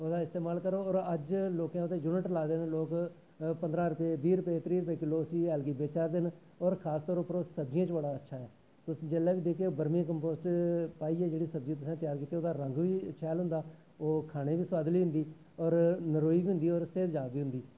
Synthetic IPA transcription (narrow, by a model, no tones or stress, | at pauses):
oːd̪aːɪst̪eːmaːlkəɾoːɔːɾəd͡ʒloːkãːʊt̪eːd͡ʒʊːnəʈlaːd̪eːnloːk | pənd̪ɾãːɾʊpeːbiːɾʊpeːt̪ɾiːɾʊpeːkɪloːəsiːɛːlɡiːbeːt͡ʃaːɾd̪eːn | ɔːɾkʰaːst̪ɔːɾoːpəɾoːsəbd͡ʒɪjãːt͡ʃbəɽaːətːʃʰaːɛː | t̪ʊsd͡ʒeːlɛːʋiːd̪eːkʰeːoːbəɾmãːk̬əmpoːsʈpaːiːɛːd͡ʒeːɽiːsəb̚d͡ʒĩːt̪ʊsãːt̪ɪjaːɾkiːt̪eːoːd̪aːɾə̃ŋɡʋiːt͡ʃʰɛːlɦʊ̃nd̪aː | oːkʰaːɽ̃eːʋiːswaːd̪liːɦʊ̃nd̪iː | ɔːɾnəɾoːiːbiːɦʊ̃nd̪iːɔːɾsefd͡ʒaːbiːɦʊ̃nd̪iː